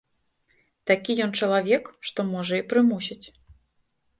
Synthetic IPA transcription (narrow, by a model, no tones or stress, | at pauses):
t̪akʲijɔnt͡ʂɐlˠavʲɛkʂt̪ɔmɔʐɐipɾɨmusʲit͡sʲ